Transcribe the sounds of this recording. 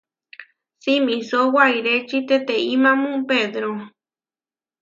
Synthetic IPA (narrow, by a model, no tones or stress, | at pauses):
simĩsowaiɾet͡ʃit̪et̪eimãmũpeðɾo